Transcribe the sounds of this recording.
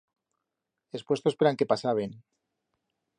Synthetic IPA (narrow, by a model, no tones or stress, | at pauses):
e̞spwe̞st̪opeɾaŋke̞pasaβen